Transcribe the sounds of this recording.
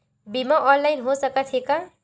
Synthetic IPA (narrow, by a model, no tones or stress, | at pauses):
bimaʔɔllajnɦosʌkat̪ʰeka